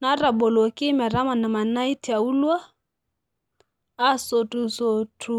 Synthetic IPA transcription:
na˨˦ɾa˨bɔ˨lɔ˨ki˦mɛ˨ɾa˦ma˨na˨ma˨na˦i˦ti˨a˨u˦lwa˦ | a˦sɔ˨tu˨sɔ˨tʰu˨

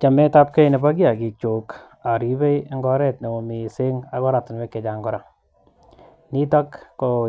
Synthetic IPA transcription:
t͡ʃa˨mɛ˦ta˦p̚ke˦jne˨ba˦ɡja˨ɡi˨t͡ʃo˨k | a˨ɾi˨˦be˦jŋɡɔ˦ɾɛ˦tne˨o˨mi˨se˦ŋa˦kɔ˦ɾa˨tɪ˨nwe˦kːe˨d͡ʒa˨ŋɡɔ˦ɾa˨ | ni˦ta˦kːo˨

